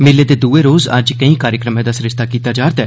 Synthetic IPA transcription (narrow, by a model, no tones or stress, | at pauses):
mɪled̪ed̪uːeɾoːzɐ̰d͡ʒkəĩkaːɾjəkɾəmẽd̪asɾɪʃt̪ʰakiːt̪ad͡ʒaːɾt̪ɛː